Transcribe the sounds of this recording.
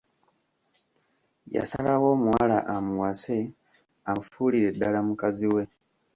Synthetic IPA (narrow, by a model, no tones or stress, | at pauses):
ja̰sa̰lawomuwalaʔamuwase | am̩fuliɾeɗalamukaziwe